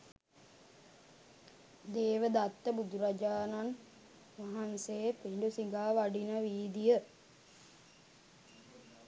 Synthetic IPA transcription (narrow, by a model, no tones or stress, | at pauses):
d̪eːʋəd̪at̪ːəbud̪uɾad͡ʒaːnan | ʋaɦanseepeɳɖusiɡaːʋaɖinəʋiːd̪ijə